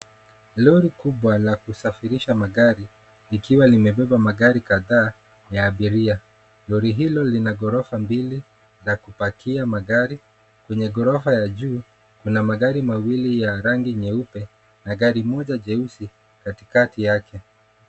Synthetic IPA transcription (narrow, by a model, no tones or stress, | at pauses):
lɔɾikuɓwalakusafiɾiʃamaɠaɾi | likiwalimɛɓɛɓamaɠaɾikaðaː | jaːɓiɾia | lɔɾiɦilɔlinaɡɔɾɔfambili | lakupakʰiamaɠaɾi | kwɛɲɛɡɔɾɔfajaʄuː | kunamaɠaɾimawilijaɾaŋɡiɲɛupɛ | naɡaɾimɔʄaʄɛusi | kati̥katijakʰɛ